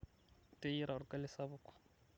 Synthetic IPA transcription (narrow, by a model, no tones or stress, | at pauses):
tʼeiɾaɾʊkʼalɪsaβʊkʰḁ